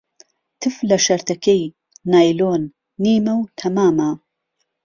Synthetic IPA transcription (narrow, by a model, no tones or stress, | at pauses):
t̪ɨflɐʃɐɾt̪ɐkej | naːjloːnː | iːmawt̪ʰɐmaːma